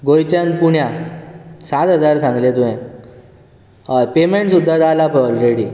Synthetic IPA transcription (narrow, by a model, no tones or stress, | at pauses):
ɡojt͡ɕjãnpuɳja | sat̪əd͡zaɾsãŋɡlet̪uɦẽ | apemeɳʈsud̪ʱːad͡zalapɔlɾeɽiː